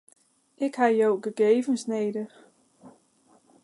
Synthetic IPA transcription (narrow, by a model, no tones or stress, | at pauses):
ɪkhajoʊɡ̥əɡ̥eːvənsneːdə